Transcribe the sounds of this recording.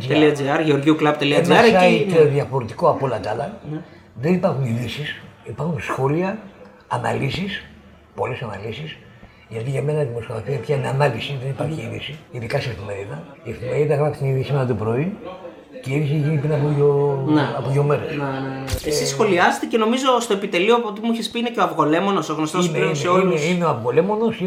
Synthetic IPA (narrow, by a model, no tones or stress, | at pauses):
t̪eliɐd͡zeɐɾʝeoɾʝiuklɐbt̪eliɐɐɐeðʝɐfo̞ɾet̪ikoɐpolɐt̪ɐlɐn | ðenipɐɾxuniðisisipɐɾxunsxo̞liɐ | ɐnɐ̰lisis | po̞lesɐnɐ̰lisis | ʝɐt̪iʝɐme̞nɐðimosoɣɐθiɐpçɐineɐnɐlisiðe̞nipɐɾçiiðḭsiiðikɐseefime̞ɾiðɐiefime̞ɾiðɐɣɾɐkst̪iniðisimenɐt̪upɾo̞i | ceiðisieʝinipɾinɐpooneɐpoɣeomeɾeseesisxo̞liɐse̥t̪ece̞no̞mizo̞st̪oepit̪e̞liopot̪imuiçespiineceoɐvɣo̞le̞mo̞nosoɣnost̪osneiseoineoɐvɣo̞le̞mo̞no̞si